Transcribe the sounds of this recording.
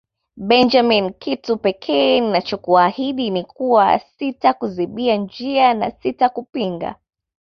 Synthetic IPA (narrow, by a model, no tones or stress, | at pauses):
ɓɛnd͡ʒaminkʰitupɛkʰɛːninat͡ʃɔkuahiɗinikuwasitakuziɓiand͡ʒiana̰sitakupiŋɡa̰